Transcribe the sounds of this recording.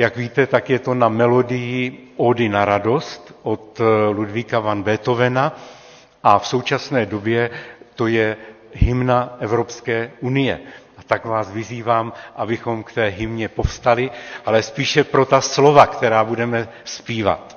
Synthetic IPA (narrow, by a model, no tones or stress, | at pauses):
jaɡviːt̪ɛt̪akjɛt̪o̞namɛlo̞dɪjɪʔodɪnaɾado̞st̪ʔot̪ludvikavanbɛːt̪o̞vɛna | ʔafso̞wt͡ʃasnɛːdobjɛt̪o̞jɛ | ɦɪmnaʔɛvɾopskɛːunɪjɛ̰ʔat̪aɡvaːsvɪziːvaːmʔabɪxo̞mkt̪ɛːɦɪmɲɛpo̞fst̪alɪʔalɛspiːʃɛpɾo̞t̪aslo̞vakt̪ɛɾaːbudɛmɛ | spiːva̰t̪